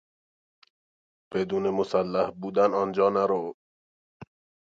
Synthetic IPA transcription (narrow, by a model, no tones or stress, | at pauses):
b̥ed̪uːnemosælːæhbuːd̪ænɒnd͡ʒɒːnæɾo